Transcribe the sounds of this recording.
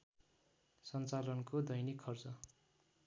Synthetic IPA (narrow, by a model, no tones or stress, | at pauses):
sʌnt͡salʌnkod̪ʌjnikʰːʌrt͡sʌ